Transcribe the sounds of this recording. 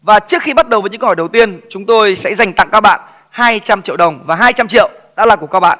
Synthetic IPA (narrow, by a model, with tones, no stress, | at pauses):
vaː˨˩t͡ɕɨ˦˥ək̚xi˧ɓa˦˥t̚ɗə˨˩wvəː˨˦ɲɨ̰˧˥˧hɔ˧˩ɗə˨˩wt̪i˧ənt͡ɕʊ˨˦ŋ͡mt̪o˧jsɛ̰˧˥za˨˩jŋ̟t̪a̰˧˨ŋkaː˧ɓa̰ː˧˨n | haː˧jt͡ɕa˧mt͡ɕḭ˧˨əwɗə˨˩wŋ͡mvaː˨˩ɦaː˧jt͡ɕa˧mt͡ɕḭ˧˨əwɗa̰ː˧˥laː˨˩ku˧˩əkaː˧wɓa̰ː˧˨nʔ